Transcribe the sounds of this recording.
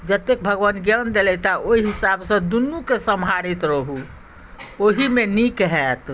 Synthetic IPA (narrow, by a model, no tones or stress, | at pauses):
d͡ʒət̪ek̚bʱəɡwənɡjənd̪elɛt̪aʔoiɦisabsə̃d̪unːukesəmʱaɽit̪ɾəɦu | oɦimenikɦɛt̪